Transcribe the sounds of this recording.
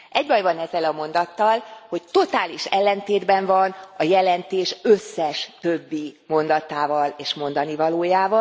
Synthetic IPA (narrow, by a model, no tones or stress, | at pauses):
ʔɛɟbɒjvɒnɛzːɛlɒmo̞nd̪ɒt̪ːɒlho̞ct̪o̞t̪aːliʃɛlːɛnt̪eːd̪bɛɱvɒnɒjɛlɛnt̪eːʃøsːɛʃt̪øbːimo̞nd̪ɒt̪aːvɒleːʃmo̞nd̪ɒnivɒloːjaːvɒ